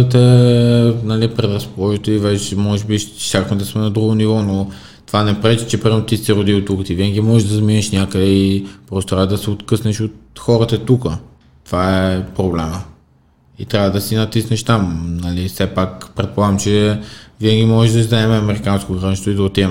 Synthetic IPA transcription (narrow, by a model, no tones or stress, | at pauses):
ət̪̬ɛ | nɐlipɾɛd̪ɾɐspolˠɔʒit̪oivɛt͡ʃɛmɔʒɛbit͡ʃakvmɛd̪ɐsmɛnɐd̪ɾuɡonivɔno | t̪ovanɛpɾɛt͡ʃi̥t͡ʃɛpɾimɛnot̪isɛɾʊd̪iwt̪ukət̪iviɛnɡʲimɔʒɛʒd̪ɐzminəʃnʲakəd̪ɛipɾɔsot̪ɾavəd̪ɐsɛot̪kɤsnəʃot̪̚xɔɾət̪ət̪ukə | t̪ovaɛpɾoblɛmə | it̪ɾʲavəd̪ɐsinɐt̪isnɛʃt̪amnɐlifsɛpakpɾɛt̪̚polˠaɡmt͡ʃɛviɛnɡimɔʒɛʒd̪ɐd̪ɐɛmɛɐmɛɾikanskoɡɾaniʃt̪void̪ɐot̪iɛ